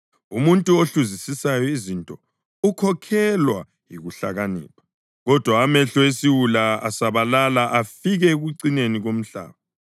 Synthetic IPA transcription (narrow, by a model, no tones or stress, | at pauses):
umuntʼuoɬuzisisajɔizintʼɔ | ukʰɔkʰɛlwa | jiɣuɬa̰ɣanɛ̰ːpʰḁ | ɣɔd̥ʱwaːmɛɬɔesiwulaasaβalalaʔafiɣɛeɣuǀineniɣom̩ɬa̰ːβa